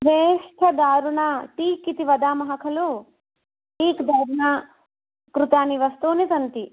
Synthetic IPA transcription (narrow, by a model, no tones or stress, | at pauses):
ʋeːʂʈʰɐd̪aːɾuɳaːʈiːkːit̪iʋɐd̪aːmɐɦɐkʰɐlu | ʈiːkd̪aːɾuɳaː | kɾut̪aːniʋɐst̪uːnit̪ɐnt̪i